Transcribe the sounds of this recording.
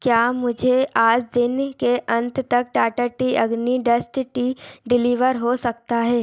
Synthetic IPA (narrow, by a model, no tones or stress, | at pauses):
kjaːmʊd͡ʒʱeʔaːd͡ʒd̪ɪnkeʔɐ̃nt̪t̪ɐk̚ʈaːʈəʈiɐɡniɖɐsʈʈiːɖɪliːʋəɾɦosɐkt̪aɦɛː